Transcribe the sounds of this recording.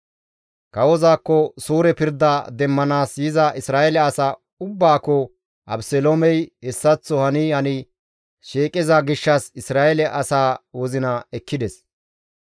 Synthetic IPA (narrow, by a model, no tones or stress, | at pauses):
kɐwɔzaːkːɔsuːɾɛpɪɾd̪ɐd̪ɛmːɐnaːsjɪzɐʔɪsɾaːʔɛlɛɐsa | ʊbːaːkːɔ | ʔɐ̰bsɛlomɛjhɛsːɐt͡sːɔhɐnɪhɐnɪ | ʃeːkʼɪzɐɡɪʃːɐsɪsɾaːʔɛlɛʔɐsaːwɔzɪnɐɛkːɪd̪ɛs